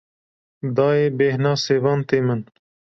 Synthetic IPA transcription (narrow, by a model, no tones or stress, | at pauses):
d̪ɑːeːbeːhnɑːseːwɑːnt̪eːmɐn